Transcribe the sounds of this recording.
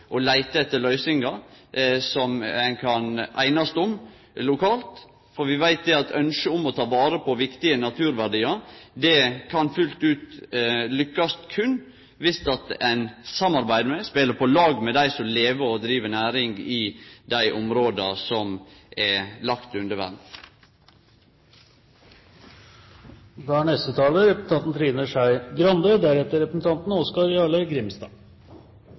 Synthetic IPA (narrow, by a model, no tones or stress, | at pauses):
ʔɔlæɪt̪əɛt̪ːəlœʏsɪŋɡɑ | sɔmɛnkʰɑnʔæ̰ɪnɑst̪ʊm | lʊkʰɑːlt̪ | fɔɾʋɪʋæɪt̪̚d̪ɛɑt̪ʰœnʃəʊmɔt̪ʰɑːʋɑːɾəpʰɔʋɪkt̪ɪənɑt̪ʰʉːɾʋæʁɖiːɑɾd̪ɛkʰɑnfʉlt̪ʉːt̪lʏkːɑst̪kʰʉnː | ʋɪst̪ɑt̪æɪnsɑmɑɾbæɪd̪mɛspeːləpʰɔlɑːɡmɛd̪æɪsɔmleːʋəɔd̪ɾiːʋənæːɾɪŋɡɪd̪æɪʔɔmɾoːd̪ɑsɔmʔɛlɑkt̪ʉnd̪əʋæ̰d̪ | ʋæːɳɛst̪ət̪ʰɑːləɾɛp̩t̪ɑt̪n̩t̪ʰɾiːnəʂæɪɡɾɑnd̪əd̪æɾɛt̪ːəɾɛpɾəsn̩t̪ʰɑnt̪n̩ɔskɑɾɑləɡɾɪmst̪ɑ̰